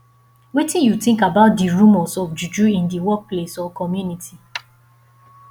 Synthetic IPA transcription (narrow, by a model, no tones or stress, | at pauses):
wetĩnjutĩŋkabaʊt̚diɹũmɔsɔfd͡ʒud͡ʒuĩndiwɔk̚plesɔkɔmjunitʰi